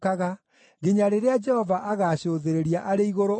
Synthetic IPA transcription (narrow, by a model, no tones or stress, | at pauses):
aɣa | ɣeɲaɾeɾead͡ʒɛhɔvaʔaɣaɕoːðeɾeɾiaʔaɾeiɣoɾo